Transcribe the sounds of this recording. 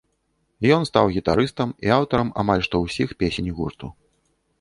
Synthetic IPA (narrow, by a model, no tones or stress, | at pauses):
jɔnst̪awɣʲit̪aɾɨst̪ɐmiawt̪ɐɾɐma̰malʲʂt̪ɔwsʲixpʲesʲenʲɣurt̪u